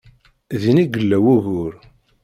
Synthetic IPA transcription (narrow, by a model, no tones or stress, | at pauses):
ðiniɡəlːæwuɣʊɾ